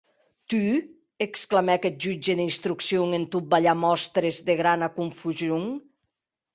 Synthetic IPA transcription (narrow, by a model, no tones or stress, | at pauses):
t̪y | eksklamɛkɛt̪̚ʒyd͡ʒeðinst̪ɾuksjoŋent̪ut̪̚baʎamɔst̪ɾezðeɣɾanakuɱfuzjoŋ